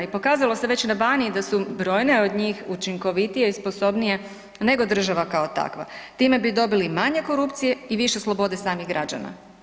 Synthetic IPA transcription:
ipo̞kaːzalˠo̞se̞ʋe̞t͡ɕnabaːnid̪asubɾo̞ːjne̞o̞d̪ɲiːxut͡ʃiŋko̞ʋit̪ijeispo̞so̞bnije̞ | ne̞ɡo̞d̪r̩ʒaʋakaot̪a̰kʋa̰t̪iːme̞bid̪o̞bilimaɲe̞ko̞ɾupt̪sije̞iʋiʃe̞slˠo̞bo̞d̪e̞saːmiɣɡɾad͡ʒa̰na̰

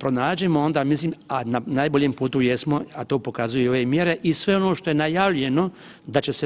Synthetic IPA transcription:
pɾo̞naːd͡ʒe̞mo̞o̞nd̪aːmisliːmananajboʎempuːt̪ujesmo̞at̪o̞ːpo̞kazujuio̞ʋeːmje̞ɾe̞ʔisʋe̞o̞noːʃt̪o̞je̞najaʋʎe̞no̞ | d̪at͡ʃese

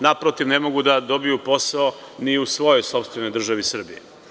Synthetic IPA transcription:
napɾot̪iʋnemo̞ɡud̪ad̪o̞bijupo̞sao | niusʋo̞jo̞jso̞pst̪ʋeno̞jd̪r̩ʒaʋisr̩bije

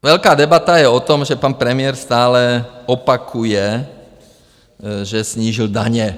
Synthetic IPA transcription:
ʋɛʎkaːd̪ɛbat̪ajɛɔt̪ɔmʒɛpaːnpɾɛmɪjɛɾst̪aːlɛɔpakʰujɛ | ʒɛsɲiːʒild̪aɲɛ

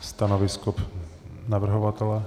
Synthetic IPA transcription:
st̪anovɪskopnavr̩ɦovat̪ɛlɛ

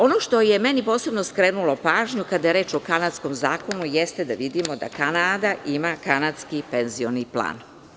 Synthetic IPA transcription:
o̞no̞ʃt̪o̞jemenipo̞ːse̞bnoskɾeːnulo̞paːʒɲukad̪ajeɾe̞ːt͡ʃo̞kanat̪sko̞mzaːko̞nujɛst̪ed̪aʋid̪imo̞d̪a̰kanaːd̪aʔimakanat̪skipenzio̞niplˠa̰ːn

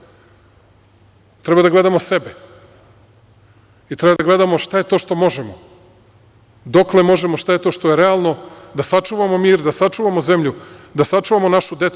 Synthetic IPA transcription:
t̪ɾebad̪aɡle̞d̪amose̞be | it̪ɾebad̪aɡle̞d̪amo̞ʃt̪aje̞t̪oʃt̪o̞mo̞ʒemo | d̪o̞kle̞mo̞ʒe̞moʃt̪aje̞t̪o̞ːʃt̪o̞jeɾealˠno̞d̪asat͡ʃuːʋamo̞miːɾd̪asat͡ʃuːʋamoze̞mʎud̪asat͡ʃuːʋamo̞naʃud̪e̞t̪su

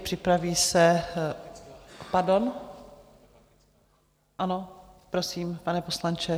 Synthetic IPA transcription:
pr̝̥ɪpɾaviːsɛ | paɾdo̞n | ʔano̞ | pɾosiːmpanɛpo̞slant͡ʃɛ

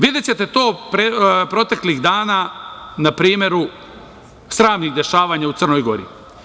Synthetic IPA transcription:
ʋid̪jet͡ɕe̞t̪e̞t̪o̞ːpɾepɾo̞t̪e̞kliɣd̪aːnanapɾiːmʲje̞ɾu | sɾaːmniɡd̪e̞ʃaːʋaːɲaut̪sər̩nojɡo̞̰ɾḭ

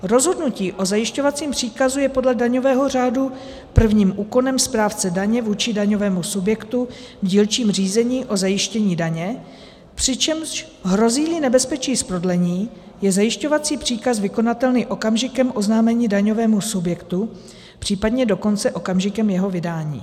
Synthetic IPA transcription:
ɾo̞zɦo̞dnuciːʔo̞zajɪʃco̞vat͡siːmpr̝̥iːkazujɛpo̞dlɛdaɲo̞vɛːɦo̞r̝aːdu | pr̩vɲiːmʔuːko̞nɛmspɾaːft͡sɛdaɲɛvuːt͡ʃɪdaɲo̞vɛːmusubjɛkt̪u | vɟiːlt͡ʃiːmr̝iːzɛɲiːʔo̞zajɪʃcɛɲiːdaɲɛ | pr̝̥ɪt͡ʃɛmʃ | ɦɾo̞ziːlɪnɛbɛspɛt͡ʃiːspɾo̞dlɛɲiː | jɛzajɪʃco̞vat͡siːpr̝̥iːkasvɪko̞nat̪ɛlnɪʔo̞kamʒɪkɛmʔo̞znaːmɛɲiːdaɲo̞vɛːmusubjɛkt̪u | pr̝̥iːpadɲɛdo̞ko̞nt͡sɛʔo̞kamʒɪkɛmjɛɦo̞vɪdaːɲḭː

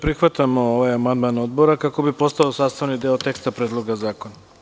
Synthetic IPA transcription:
pɾixʋat̪amooʋajamand̪maːnod̪bo̞ɾakako̞bipo̞st̪aosaːst̪aʋnid̪eot̪e̞kst̪apɾed̪lˠoɡazaːkona

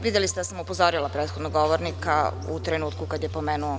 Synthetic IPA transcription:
ʋid̪jelist̪ed̪asamupozoɾilˠapɾeːt̪xod̪noɡɡoʋoɾnikaṵt̪ɾenuːt̪kukad̪jepomeːnuo

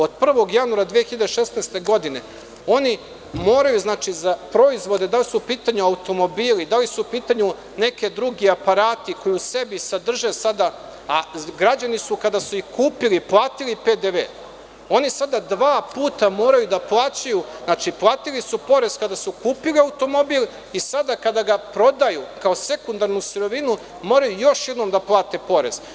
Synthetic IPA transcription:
o̞d̪̚pr̩ʋo̞ɡjanuaɾad̪ʋijexiʎad̪eʃesneːst̪e̞ɡo̞d̪ine̞ | o̞ni | mo̞ːɾajuznaːt͡ʃizapɾo̞izʋo̞d̪ed̪alisupiːt̪aɲuaut̪o̞mo̞biːlid̪alisuupiːt̪aɲu | ne̞ke̞d̪ɾuɡiapaɾaːt̪iko̞juuse̞bisad̪r̩ʒesad̪a | aɡɾad͡ʑanisukad̪asuikuːpiliplˠaːt̪iliped̪eʋeː | o̞nisad̪ad̪ʋaːpuːt̪amo̞ːɾajud̪aplˠaːt͡ɕajuznaːt͡ʃiplˠaːt̪ilisupo̞ɾe̞zkad̪asukuːpiliaut̪o̞mo̞bil | isad̪akad̪aɡapɾo̞d̪ajukao̞se̞kund̪aɾnusuɾo̞ʋinu | mo̞ːɾajujo̞ʃjed̪nomd̪aplˠaːt̪e̞po̞ɾe̞z̥

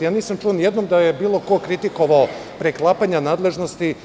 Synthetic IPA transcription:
jaːniːsamt͡ʃuonjed̪nomd̪ajebiːlˠo̞ko̞kɾit̪iko̞ʋao | pɾeklˠapaɲanaːd̪le̞ʒno̞st̪i

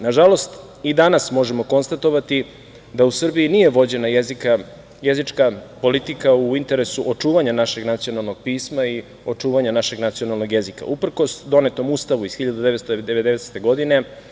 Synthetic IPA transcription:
naʒalo̞st̪ | id̪anasmo̞ʒemo̞ko̞nst̪at̪o̞ʋat̪i | d̪ausr̩biinije̞ʋo̞d͡ʑe̞najezika | jezit͡ʂkapo̞lit̪ikauint̪e̞ɾesuʔot͡ʂuːʋaɲanaʃe̞ɡnat̪sijo̞nalˠno̞ɡ̥̚piːsmai | o̞t͡ʂuːʋaɲanaʃe̞ɡnat̪sijo̞nalno̞ɡje̞zika̰upr̩ko̞sd̪o̞net̪o̞must̪aʋuiz̥xiʎad̪ud̪eet̪st̪oeed̪eʋed̪eese̥t̪e̞ɡo̞d̪ine̞

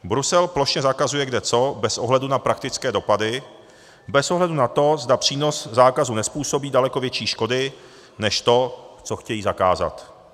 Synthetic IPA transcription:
bɾusɛlploʃɲɛzakazujɛɡdɛt͡so̞bɛsʔo̞ɦlɛdunapɾak̚t̪ɪt͡skɛːdo̞padɪ | bɛsʔoɦlɛdunat̪o̞zdapr̝̥iːno̞szaːkazunɛspuːso̞biːdalɛkovjɛt͡ʃiːʃko̞dɪ | nɛʃt̪o̞t͡so̞xcɛjiːzakaːza̰t̪

